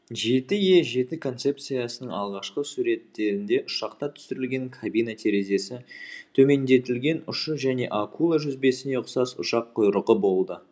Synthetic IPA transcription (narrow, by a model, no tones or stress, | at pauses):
ʒe̞t̪ɪje̞ʒe̞t̪ɪkʰo̞nt̪se̞p̚t̪sijasənəɴɑlˠʁɑʃqəsuɾe̞t̪ːe̞ɾɪnd̪e̞ʔʊʃɑqt̪ɑt̪ʰʏ̥sɪɾɪlɡʲe̞ŋkʰabijnat̪ʰe̞ɾe̞ze̞sɪt̪ʰɵme̞nd̪e̞t̪ɪlɡʲe̞nʊʃəʒæne̞̰ʔakulˠaʒʏzbe̞sɪne̞ʊqsɑsʊ̰ʃɑqʰːʊjɾəʁəbo̞lˠd̪ə